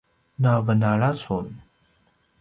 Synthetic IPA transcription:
navənaɭasun

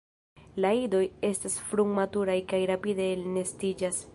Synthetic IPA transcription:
laido̞je̞stasfɾuŋmatuɾajkajɾapide̞line̞stid͡ʒas

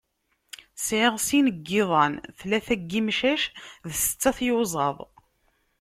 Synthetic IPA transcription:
sʕɪʁsinəɡːɪðˤɑnθlæθæɡːimʃæʃðsə̥t͡sːɑθjozˤɑðˤ

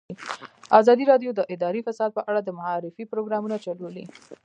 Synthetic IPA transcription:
azɑd̪iɾɑɖjod̪əʔɪd̪ɑɾifasɑd̪̚pəʔaɽad̪əmaɑɾɪfipɾoɡɾɑmunat͡ʃalolḭ

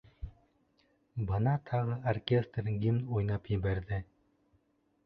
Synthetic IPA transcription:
bɤnɑt̪ʰɑʁɤʔorkʲest̪rɡʲimujnɑpjɘ̆βæɾðɘ

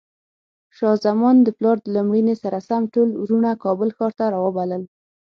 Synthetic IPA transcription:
ʃɑzamɔnd̪əplɑɾd̪əlumɽinesaɾasamʈolɾunakɑbəlxɑɾt̪aɾɑwəbaləl

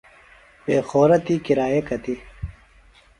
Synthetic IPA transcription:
beːxoːɾɐt̪ikiɾaːjekɐt̪i

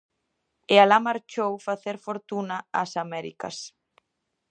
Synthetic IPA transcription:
ealamaɾt͡ʃowfaθeɾfoɾt̪unɐasamɛɾḭkɐ̰s

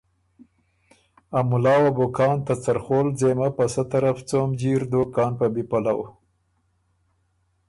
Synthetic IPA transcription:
amʊlɑːwabokɑːnt̪at͡saɾxoːlzemapasat̪aɾaft͡somd͡ʒiɾd̪okɑːnpabipalaw

